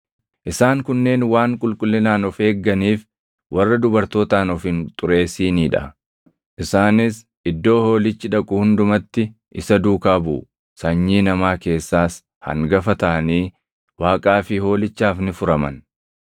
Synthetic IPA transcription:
ʔɪsaːŋkʊnːe̞ːnwaːŋkʼʊlkʼʊlːɪnaːnɔfe̞ːɡːɐniːf | wʔɐrːɐd̪ʊbɐɾt̪o̞ːt̪aːnɔfɪnt̪ʼʊɾe̞ːsiːniːᶑɐ̰ | ʔɪsaːnɪs | ɪd̪ːo̞ːho̞ːlɪt͡ʃːɪᶑɐkʼʊhʊnd̪ʊmɐt̪ːɪ | ʔɪsɐd̪uːkaːbʊ̰ | sɐɲːiːnɐmaːke̞ːsːaːs | hɐ̰ŋɡɐfɐt̪ɐʔɐniː | waːkʼaːfɪho̞ːlɪt͡ʃːaːfnɪfʊɾɐmɐ̰n

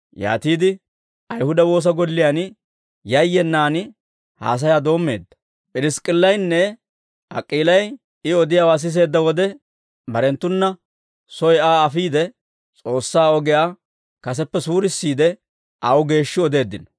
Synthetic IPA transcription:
ja̰ːt̪iːd̪ɪ | ʔɐjhʊd̪ɐwo̞ːs̬ɐɡɔlːɪjan | jɐjːɛnːaːnɪ | ha̰ːs̬ɐjaːd̪o̞ːmːe̞̰ːd̪ːɐ̥ | pʼɪɾɪskʼɪlːɐjnːɛ | ɐ̰kʼːiːlɐj | ɪɔd̪ɪjaːwaːs̬ɪs̬e̞ːd̪ːɐwɔd̪ɛ | bɐɾɛnt̪ːʊnːɐ | sɔjaːɐfiːd̪ɛ | t͡sʼo̞ːsːaːɔɡɛjaː | kɐs̬ɛpːɛsuːɾɪsːiːd̪ɛ | ʔɐwʊɡe̞ːʃːɪɔd̪e̞ːd̪ːɪnɐ

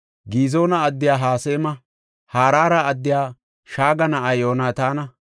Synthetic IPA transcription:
ɡiːzo̞ːnɐɐd̪ːɪjaːɦaːseːmɐ | haːɾaːɾɐɐd̪ːɪjaː | ʃaːɡɐnɐɐjoːnaːt̪aːnɐ

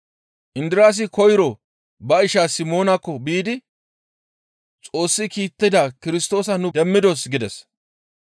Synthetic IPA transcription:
ʔɪnd̪ɪɾaːs̬ɪkɔjɾɔ | bɐɪʃaːsɪmo̞ːnɐkːɔbiːd̪ɪ | t͡sʼo̞ːsːɪkiːt̪ːɪd̪aːkɪɾɪst̪o̞ːsɐnʊd̪ɛmːɪd̪osɡɪd̪ɛs

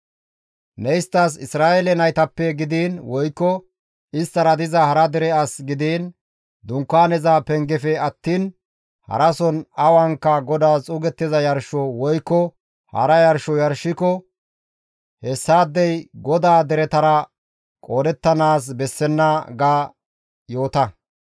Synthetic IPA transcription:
nɛjɪst̪ːɐs̬ɪsɾaːʔɛlɛnɐjt̪ɐpːɛɡɪd̪iːnwɔjkːɔ | ɪst̪ːɐɾɐd̪ɪzɐhɐɾɐd̪ɛɾɛɐsɡɪd̪iːn | d̪ʊŋkːaːnɛzaːpɛŋɡɛfɛɐt̪ːiːn | hɐ̰ɾɐsɔnɐwɐŋkːɐɡɔd̪aːt͡sʼuːɡɛt̪ːɪzɐjɐɾʃɔwɔjkːɔ | hɐ̰ɾɐjɐɾʃɔjɐɾʃːɪkɔ | hɛsːaːd̪ːɛjɡɔd̪aːd̪ɛɾɛt̪ɐɾɐ | kʼo̞ːd̪ɛt̪ːɐnaːs̬bɛsːɛnːɐɡaː | jo̞ːt̪ɐ

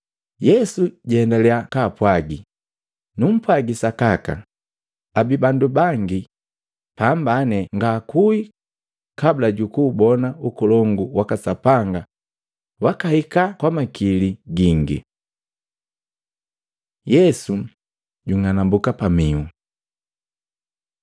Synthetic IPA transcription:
jɛsuɟɛɛndalɛakaːpwaɡi | num̩pwaɡisakaka̰ | abibandubaŋɡi | pambanɛŋɡakui | kablaɟukuːbɔnaukulɔŋɡuwakasapaŋɡa | wakahikakwamakiliɡiŋɡḭ | jɛsu | ɟuŋanambukapamiu

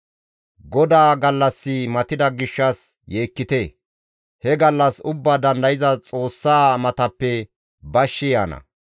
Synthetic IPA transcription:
ɡɔd̪aːɡɐlːɐsːɪmɐt̪ɪd̪ɐɡɪʃːɐs | jeːkːɪt̪e | hɛɡɐlːɐsʊbːaːd̪ɐnd̪ɐjɪzɐt͡sʼo̞ːsːaːmɐt̪ɐpːɛ | bɐʃːɪjaːnɐ̰

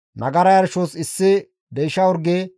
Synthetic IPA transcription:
nʔɐɡɐɾɐjɐɾʃoːsɪsːɪ | d̪ɛjʃɐwʊɾɡe

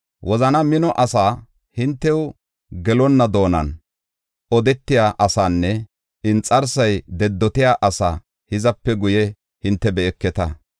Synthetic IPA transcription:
wʔɔzɐnɐmɪnɔʔɐsaː | hɪnt̪ːɛw | ɡɛlɔnːɐd̪o̞ːnɐ̰n | ɔd̪ɛt̪ːɪjaːʔɐsaːnːɛ | ɪnt͡sʼɐɾsɐjd̪ɛd̪ːɔt̪ɪjaːʔɐsa̰ː | hɪzɐpːɛɡʊjɛ | hɪnt̪ːɛbɛɛkːɛt̪ɐ

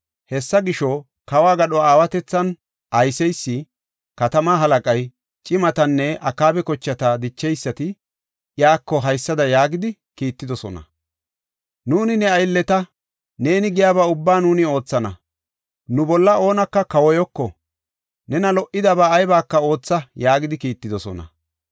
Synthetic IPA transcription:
hɛsːɐɡɪʃɔ | kɐwaːɡɐɗɔaːwɐt̪ɛt͡sːɐn | ʔɐjsɛjsːɪ | kɐt̪ɐmaːɦɐlɐkʼɐj | t͡ʃʼɪmɐt̪ɐnːɛʔɐkːaːbɛkɔt͡ʃːɐt̪ɐd̪ɪt͡ʃːɛjsːɐt̪ɪ | jaːkːɔɦɐjsːɐd̪ɐjaːɡɪd̪ɪkiːt̪ːɪd̪ɔsɔ̰nɐ̰ | nuːnɪnɛɐjlːɛt̪ɐ | ne̞ːnɪɡɪjaːβaːʊbːaːnuːnɪo̞ːt͡sːɐnɐ̰ | nʊbɔlːɐo̞ːnɐkːɐkɐwɔjɔkːɔ | nɛnɐlɔʔɪd̪ɐbaːjbaːkːɐo̞ːt͡sːɐjaːɡɪd̪ɪkiːt̪ːɪd̪ɔsɔ̰nɐ̰

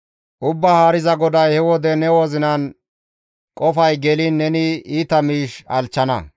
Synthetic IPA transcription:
ʔʊbːɐhaːɾɪzɐɡɔd̪ɐjhɛwɔd̪ɛnɛwɔzɪnɐn | kʼɔfɐjɡɛlinːɛnɪiːt̪ɐmiːʃɐlt͡ʃːɐnɐ̰

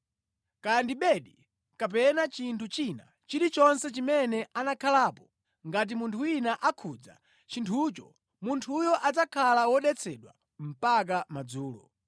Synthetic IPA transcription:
kandiɓɛɗi | kap̬ɛnat͡ʃintʰut͡ʃina̰ | t͡ʃiɾit͡ʃɔnsɛt͡ʃimɛnɛʔanakʰalaːpɔ | ŋɡat̬imuntʰuwinaʔakʰud͡za̰ | t͡ʃintʰut͡ʃɔ | muntʰujɔʔad͡zakʰalawɔɗɛt͡sʰɛɗwa̰ | m̩pak̬amad͡zuːlɔ̰

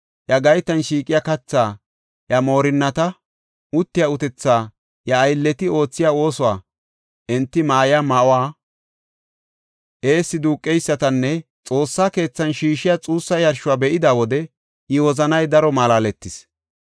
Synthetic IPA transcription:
jɐɡɐjt̪ːɐnʃiːkʼːɪjakɐt͡sːaː | jɐmo̞ːɾɪnːɐt̪ɐ | ʊt̪ːɪjɐʊt̪ɛt͡sːaː | jɐːjlːɛt̪ɪo̞ːt͡sːɪjaːo̞ːsɔwaː | ʔɛnt̪ːɪmaːjɪamɐʔɔwaː | ʔe̞ːsːɪd̪uːkʼːɛjsːɐt̪ɐnːɛ | t͡sʼo̞ːsːaːke̞ːt͡sːɐnʃiːʃɪjat͡sʼuːsːɐjɐɾʃʊwaːbɛʔɪd̪aːwɔd̪ɛ | ɪwɔzɐnɐjd̪ɐɾɔmaːlaːlɛt̪ːɪs

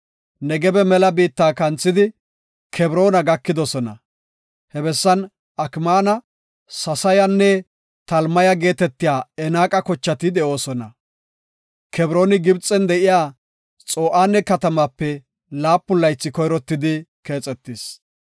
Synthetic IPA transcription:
nɛɡɛbɛmɛlɐbiːt̪ːaːkɐnt͡sʼːɪd̪ɪ | kʰɛbɾo̞ːnɐɡɐkːɪd̪ɔsɔnɐ̰ | hɛbɛsːɐn | ɐkmaːnɐ | sɐsɐjɐnːɛ | t̪ɐlmɐjɐɡe̞ːt̪ɛt̪ːɪjaːɛnaːkʼɐkɔt͡ʃːɐt̪ɪd̪ɛʔo̞ːsɔnɐ̰ | kʰɛbɾo̞ːnɪɡɪbt͡sʼːɛnd̪ɛʔɪjaː | t͡sʼo̞ːʔaːnːɛkɐt̪ɐmapːɛ | laːpːʊlːɐjt͡sːɪkɔjɾɔt̪ːɪd̪ɪke̞ːt͡sʼɛt̪ːɪs

